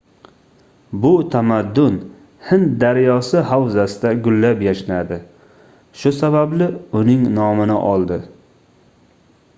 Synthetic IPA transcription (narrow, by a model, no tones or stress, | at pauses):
bʊt̪ʰamad̪ːʊn | hɪn̚d̪aɾjɒsɪhawzasɪd̪aɡʊlːapjaʃɪnad̪ɪ | ʃʊsabablɪʊnɪŋnɒmɪnɪ̰ʔɒlˠd̪ɪ